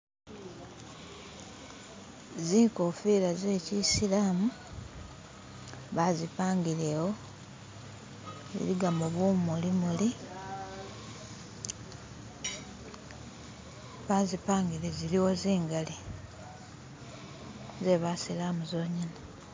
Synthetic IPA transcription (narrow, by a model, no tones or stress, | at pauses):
ziːkofilazeːcisilaːmu | βazipaːŋɡilewo̞ | zḭɾiɡamuβumulimuli | βazipaːŋɡileziliwo̞ziːŋɡali | ze̞βasilaːmuzo̞ːɲina